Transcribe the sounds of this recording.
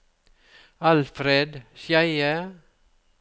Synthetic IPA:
ɑlfɾeːd̪ʃjæɪə

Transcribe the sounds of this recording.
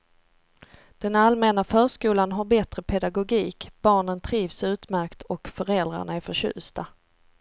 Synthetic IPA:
d̪̥ɛnalmɛːnafœːʂkuːlanɦaɾbɛt̪ɾəpʰɛd̪aɡʊɡiːkb̥ɑːɳənt̪ʰɾiːvsʉ̟ːt̪mæɾkt̪ʰɔkfœɾɛld̪ɾa̰ɳaæɾfœɕʉ̟̰ːst̪a

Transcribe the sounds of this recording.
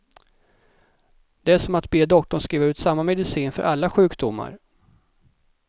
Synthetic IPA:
d̪̥ɛæʂɔmat̪beːd̪ɔkt̪ɔɳskɾiːvaɾʉ̟ːt̪samːamɛd̪ɪsiːnfœ̰ɾʔalːaɧʉ̟ːkd̪ʊmːa̰ɾ

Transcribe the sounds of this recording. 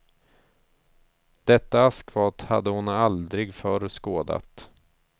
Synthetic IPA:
d̪̥ɛt̪ːaaskvɑːt̪ha̰d̪ːəhʊnald̪ɾɪɡfœɾskoːd̪a̰t̪

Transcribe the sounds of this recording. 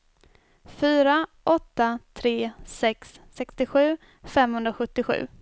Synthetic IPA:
fyːɾaʔɔt̪ːat̪ʰɾeːsɛksːɛkst̪ɪɧʉ̟ː | fɛmhɵnd̪ɾaɧɵt̪ːɪɧʉ̟̰ː

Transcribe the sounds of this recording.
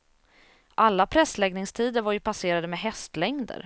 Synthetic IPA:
ʔalːapʰɾɛslɛɡnɪŋst̪ʰiːd̪əɾvaɾjɵpʰaseːɾad̪əmɛɦɛst̪lɛŋd̪ə̰ɾ

